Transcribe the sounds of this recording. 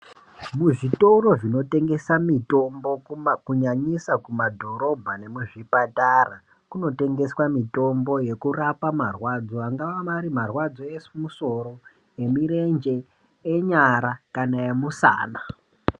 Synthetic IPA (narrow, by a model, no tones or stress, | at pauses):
muʐito̞ɾo̞ʐino̞te̞ŋɡe̞samito̞mbo̞kuɲaɲisakumadʱo̞ɾo̞bʱane̞muʐipatara | kuno̞te̞ŋɡe̞swamito̞mbo̞je̞kurapamarwad͡zo̞aŋɡaʋamaɾimarwad͡zo̞esmuso̞ɾo̞ | je̞miɾe̞nd͡ʒe̞ | eɲaɾakanaemusa̰ːna